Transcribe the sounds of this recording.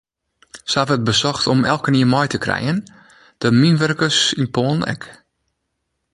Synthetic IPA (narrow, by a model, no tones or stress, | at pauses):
səavəət̚bəsɔxtɔmɛlˠkəniːəmɔjtəkrɛ̰jən | d̥əminʋørkəsinpʰoːnɛ̰k